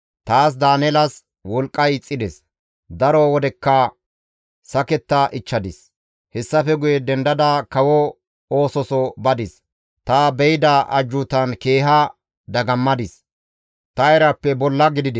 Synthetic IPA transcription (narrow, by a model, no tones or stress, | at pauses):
t̪aːs̬d̪aːnɛlɐs | wɔlkʼːɐjt͡sʼːɪd̪ɛs | d̪ɐɾɔwɔd̪ɛkːɐ | sɐkɛt̪ːɐʔɪt͡ʃːɐd̪ɪs | hɛsːɐfɛɡʊjɛd̪ɛnd̪ɐd̪ɐkɐwɔ | oːsɔsɔbɐd̪ɪs | t̪ɐbɛjɪd̪ɐʔɐ̰d͡ʒːʊt̪ɐnke̞ːɦɐ | d̪ɐɡɐmːɐd̪ɪs | t̪ɐɛɾɐpːɛbɔlːɐɡɪd̪ɪd̪ɛ